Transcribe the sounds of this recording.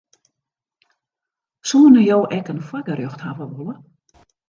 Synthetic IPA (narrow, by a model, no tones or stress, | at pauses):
suːənəjoːʔɛkənfɔɡərjøxthavəʋolə